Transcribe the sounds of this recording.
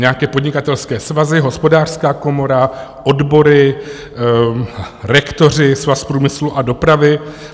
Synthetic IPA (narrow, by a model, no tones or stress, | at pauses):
ɲɛakɛːpodɲɪkat̪ɛlskɛːsvazɪɦo̞spo̞daːr̥skaːko̞mo̞ɾaʔo̞dbo̞ɾɪ | ɾɛkt̪o̞r̝ɪsvaspɾuːmɪsluʔado̞pɾavɪ